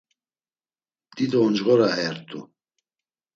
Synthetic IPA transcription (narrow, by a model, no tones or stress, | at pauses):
d̪̥id̪ɔːnd͡ʒɣɔɾaɛɾt̪ʰʼṵ